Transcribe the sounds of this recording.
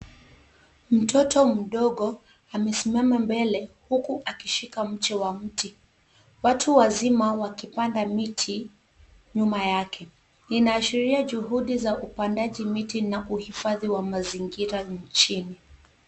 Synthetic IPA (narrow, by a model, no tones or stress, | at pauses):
m̩tʰɔtʰɔm̩ɗɔɠɔ | amɛsimamambɛlɛhukuʔakiʃikam̩t͡ʃɛwam̩ti | watʰuwazimawakipandamitʰi | ɲumajakʰɛ | ninaːʃiɾiaʄuɦuɗizaupandaʄimitinaʔuhifaðiwamaziŋɡiɾaɲt͡ʃini